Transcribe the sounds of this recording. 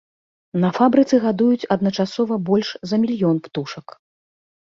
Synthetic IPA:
nɐfabɾɨt̪sɨɣad̪ujut͡sʲɐd̪nɐt͡ʂasɔvɐbɔlʲʂzɐmʲilʲjɔnpt̪uʂɐk

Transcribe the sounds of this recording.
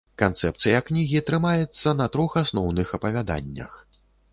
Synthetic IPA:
kant̪sɛp̚t̪sɨjɐknʲiɣʲit̪ɾɨmajɛt̪sːɐnɐt̪ɾɔxasnɔwnɨxɐpɐvʲad̪a̰nʲːɐ̰x

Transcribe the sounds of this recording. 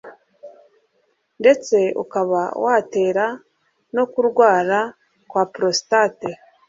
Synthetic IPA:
nde̞t͡se̞ṵkaβawʔaːte̞ːɾa | no̞kuɾɡwaːɾa | kwaːpɾo̞si̥tate

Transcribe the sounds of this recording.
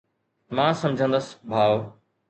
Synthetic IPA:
mãːsɐ̃md͡ʒʱə̃nd̪əsbʱaːʋ

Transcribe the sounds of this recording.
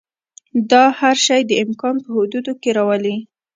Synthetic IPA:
d̪ɑhaɾʃɑjd̪əɪmkɑnpəhʊd̪ud̪okeɾɑwəli

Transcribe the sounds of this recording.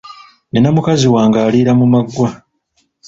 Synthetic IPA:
nenamukaziwaːŋɡaːliːɾamumaɡwa

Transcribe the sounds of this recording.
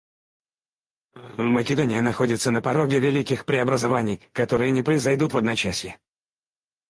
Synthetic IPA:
məkʲɪd̪onʲɪjənɐxo̞dʲɪt̪sənəpɐɾo̞ɡʲɪvʲɪlʲikʲɪxpɾʲɪɐbɾəzɐvanʲɪjkɐt̪o̞ɾɨjənʲɪpɾəɪzɐjd̪ut̪vɐd̪nɐt͡ɕæsʲjɪ

